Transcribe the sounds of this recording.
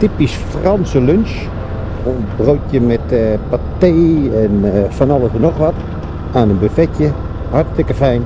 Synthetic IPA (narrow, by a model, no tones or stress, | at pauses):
tipisfrɑnsəlønʃ | onbroɥtjəmɛtpateːɛnfanɔlˠəsənɔxʋɔt | anənbəfɛtjə | hartstɪkəfɛjn